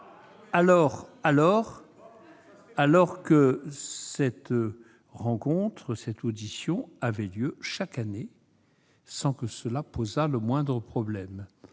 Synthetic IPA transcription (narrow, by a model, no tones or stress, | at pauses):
alɔʁalɔʁ | alɔʁkəsɛt̪ | ʁɑ̃kɔ̃t̪χəsɛt̪od̪isjɔ̃avɛljøʃakane | sɑ̃kəsəlapozaləmwɛ̃d̪ʁəpχɔblɛm